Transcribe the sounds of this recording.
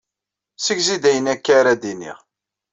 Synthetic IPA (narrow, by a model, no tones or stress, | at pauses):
səɡzid̪æjənækːaɾad̪inḭʁ